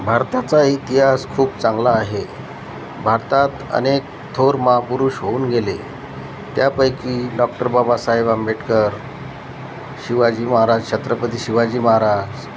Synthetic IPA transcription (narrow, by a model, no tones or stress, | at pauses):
bʱaɾt̪at͡sait̪iɦaskʰuːp̚t͡sãŋɡlaːɦe | bʱaɾt̪at̪ə̰nek̚ | t̪ʰoɾməɦapuɾuːɕɦouːnɡele | t̪japəjkiːɖɔk̚ʈəɾbabasajʋambeʈkəɾ | ɕiʋad͡ʑiːməɦaɾad͡ʑt͡ɕʰət̪ɾəpət̪iːɕiʋad͡ʑiːməɦaɾad͡ʑ